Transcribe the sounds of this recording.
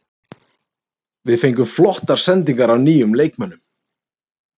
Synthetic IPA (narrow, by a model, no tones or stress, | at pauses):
vɪðfejŋkʏmflɔht̪aɾ̥sɛnt̪iŋkaɾawniːjʏmleːjkmœnːʏm